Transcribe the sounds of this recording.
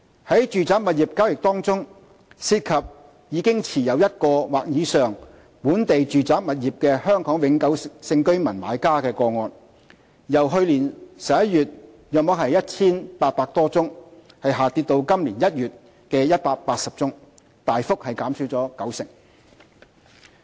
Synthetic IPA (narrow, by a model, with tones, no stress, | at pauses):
hɐ˨˥jt͡ʃyː˨t͡saː˨˥p̚mɐ˨t̚jiː˨p̚kaː˥wjɪ˨˩k̚t̪ɔː˥ŋt͡sʊ˥ŋ | siː˧t̚kʰɐ˨p̚ | jiː˨˧kɪ˥ŋt͡sʰiː˨˩jɐ˨˧wjɐ˥t̚kɔː˧waː˨˩k̚jiː˨˧sœː˨ŋ | puː˨˥nt̪e˨jt͡ʃyː˨t͡saː˨˥p̚mɐ˨t̚jiː˨p̚kɛː˧hœː˥ŋkʰɔː˨˥ŋwɪ˨˥ŋkɐ˨˥wsɪ˧ŋkɵ˥ɥmɐ˨˩nma̰ː˨˧˥jkaː˥kɛː˧kɔː˧ŋɔː˨˧n | jɐ˨˩wɦɵ˧ɥliː˨˩nsɐ˨˩p̚jɐ˥t̚jyː˨t̚ | jœː˨k̚mɔː˨˥k̚ɦɐ˨jɐ˥t̚t͡sʰiː˥npaː˧t̚paː˧k̚t̪ɔː˥t͡sʊ˥ŋ | hɐ˨jɦaː˨t̪iː˧t̪̚o˧wkɐ˥mliː˨˩njɐ˥t̚jyː˨t̚ | kɛː˧jɐ˥t̚paː˧k̚paː˧t̚sɐ˨p̚t͡sʊ˥ŋ | t̪aː˨jfʊ˥k̚hɐ˨jkaː˨˥msyː˨˥t͡sɔː˨˥kɐ˨˥wsɪ̰˨˩ŋ